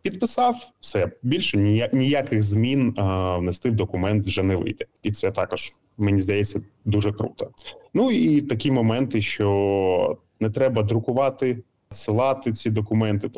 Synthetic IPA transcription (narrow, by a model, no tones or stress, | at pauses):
pʲid̪̚pɪsɑwsɛbʲilʲʃɛnʲanʲijakɪɣzmʲinʋnɛst̪ɪwd̪ɔkʊmɛnt̪ʋʒɛnɛʋɪ̰jd̪ɛit̪sɛt̪ɑkɔʒ̥ | menʲizd̪ɐjɛt͡sʲːɐd̪uʒɛkɾṵt̪ɐnuit̪ɐkʲimɔmɛnt̪ɪʃt͡ʃɔ | nɛt̪ɾɛbɐd̪ɾʊkʊʋɑt̪ɪ | sɪlˠɑt̪ɪt͡sʲid̪ɔkʊmɛnt̪ɪ